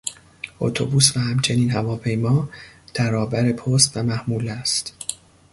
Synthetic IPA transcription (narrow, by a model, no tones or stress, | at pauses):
ʔo̰t̪ʰo̰buːsvæhæmt͡ʃʰe̞niːnhævɒːpʰe̞jmɒːd̪̥æɾɒːbæɾe̞pʰoːst̪væmæhmuːlæst̪